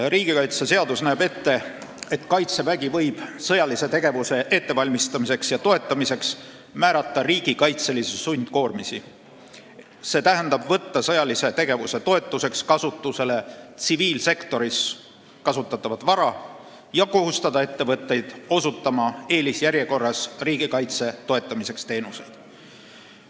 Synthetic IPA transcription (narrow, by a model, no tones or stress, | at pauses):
riːɡ̥ikɑjt̪sese̞ɑd̪usnæːbe̞t̪ːe̞e̞t̪kɑjt̪sevæɡivɤjb̥sɤjɑlise̞t̪e̞ɡ̥e̞vuse̞ʔe̞t̪ːe̞vɑlʲmist̪ɑmise̞ksjɑt̪o̞e̞t̪ːˑɑmise̞ks | mæːɾɑt̪ːɑriːɡ̥ikɑjt̪se̞lisesunʲd̪̥ko̞ːrmisi | se̞t̪æɦænd̪̥ɑbvɤt̪ːɑsɤjɑlise̞t̪e̞ɡ̥e̞vuse̞t̪o̞e̞t̪ːˑuse̞kskɑsut̪ːˑuse̞le̞t̪siviːlse̞kt̪o̞ɾis | kɑsut̪ːˑɑt̪ːˑɑvɑt̪vɑɾɑ | jɑko̞ɦust̪ɑd̪ɑe̞t̪ːe̞vɤt̪ːe̞jd̪̥o̞sut̪ːɑmɑe̞ːlisjæɾjeko̞rːɑsriːɡ̥ikɑjt̪se̞t̪o̞e̞t̪ˑːɑmise̞kst̪e̞ːnuse̞jd̪̥